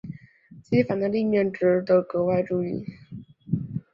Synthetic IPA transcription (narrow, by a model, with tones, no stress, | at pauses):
t͡ɕi˧˥fa˨˩nd̪ə˦li˥˧mjɛ˥˩nʈ͡ʂɻ̩˧˥t̪o˧˥kɤ˧˥wa˥˧ɪʈ͡ʂu˥˧ḭ˥˩